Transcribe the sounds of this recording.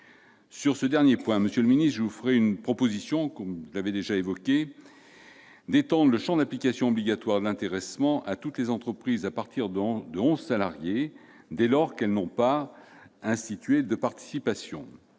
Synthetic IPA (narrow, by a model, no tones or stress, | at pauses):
syʁsəd̪ɛʁnjepwɛ̃məsjøləminist̪ʒəvufəʁɛynpχɔpozisjɔ̃kɔmʒəlavɛd̪eʒaevɔkʲe | d̪et̪ɑ̃d̪ʁləʃɑ̃d̪aplikasjɔ̃ɔbliɡʲat̪waʁd̪əlɛ̃t̪eʁɛsmɑ̃ʔat̪ut̪lezɑ̃t̪χəpχizapaʁt̪iʁd̪d̪əɔ̃zsalaʁje | d̪elɔʁkɛlnɔ̃pa | ɛ̃st̪it̪ɥed̪əpaʁt̪i̥sipasjɔ̰̃